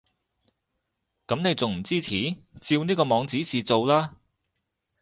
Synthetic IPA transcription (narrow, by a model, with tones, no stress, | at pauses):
kɐ˨˥mne˨˧jt͡sʊ˨ŋm̩˨˩t͡siː˥t͡sʰiː˨˥t͡siː˧wniː˥kɔː˧mɔː˨˧ŋt͡siː˨˥siː˨t͡so˨wlaː˥